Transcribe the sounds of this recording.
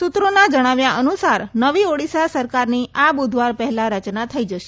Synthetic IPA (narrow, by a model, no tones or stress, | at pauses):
sut̪ɾonad͡ʒəɽ̃aʋjaʔənusaɾnəʋioɽisjasəɾkaɾniʔabud̪ʱʋaɾpəɦɛlaɾət͡ʃnat̪ʰəid͡ʒəʃe